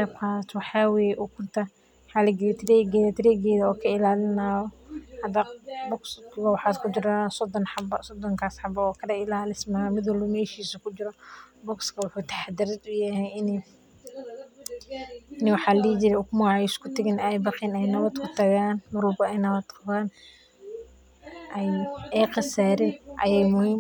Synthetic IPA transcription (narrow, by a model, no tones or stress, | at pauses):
dɛbkʰaːswɑħaːwɛjʔukʰʊrt̪ʰɐ | ħalɪɡɛt̪ʰɾɛːɡɛːðɐt̪ʰɪɾɛːɡɛːðɐɔːkʰɐɪlaːlɪnaːɔhɐd̪ɐbɔkskʰɣɐwɑħɑːskʰʊd͡ʒɪɾasɔd̪ɔnħɑbɐsɔd̪ɔŋkʰaːsħɑbɐːkʰɐdɐɪlaːlɪsmamɪd̪wɐlbɐmɛːʃiːsʊkʰʊd͡ʒɪɾɔbɔɡskʰɐwʊħuːt̪ʰḁħad̪ɪɾɐd̪ʊjɛɦɛɪn | nɪwɑħaːlliːd͡ʒɪɾɛʊkmʊʕɛɪskʰʊt̪ɐɣɛnɛjbɑqinɛjnɐβɐd̪kʰʊt̪ɐɣaːnmʊɾʊlɡɔɛjnɐβɐd̪qɑβaːn | ʔɛjɛjqɑsaːɾɛʔɐ̰jɛjmʊhiːm